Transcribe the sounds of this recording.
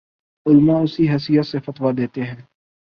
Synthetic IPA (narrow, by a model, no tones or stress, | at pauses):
ʊlmãʊsiɦɐsɪjət̪sefɐt̪ʋad̪eːt̪eɦɛ̃ː